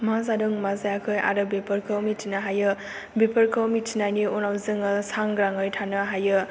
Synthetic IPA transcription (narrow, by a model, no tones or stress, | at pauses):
mazadɯŋmazajakʰɯja̰ɾɯbepʰəɾkʰɯwmitʰinaɦajɯ | bepʰəɾkʰɯwmitʰinajniunawzɯŋɯsaŋɡɾaŋɯjtʰanɯɦajɯ